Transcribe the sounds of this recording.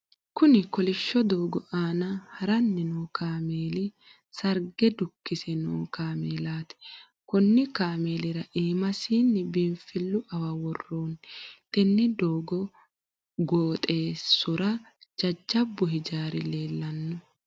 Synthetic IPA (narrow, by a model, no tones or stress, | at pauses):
kʊnɪkɔlɪʃːɔd̪o̞ːɡɔʔaːnɐhɐɾɐnːɪnoːkaːmeːlɪ | sɐɾɡɛd̪ʊkːɪsɛno̰ːkaːmeːlaːt̪ɛ̥ | kʊnːɪkaːme̞ːlɪɾɐʔiːmɐsiːnːɪbɪnfɪlːʊʔɐwɐwɔrːoːnt̪ʼɛnːɪd̪oːɡɔ | ɡoːt̪ʼe̞ːsʊɾɐ | d͡ʒɐd͡ʒːɐbːʊɦɪd͡ʒaːɾɪle̞ːlːɐnːʊ